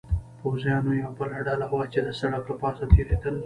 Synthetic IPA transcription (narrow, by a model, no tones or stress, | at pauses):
powzjɑnojawbəlaɖɑlawat͡ʃed̪əsaɽak̪̚əpɑːsat̪eɾed̪əl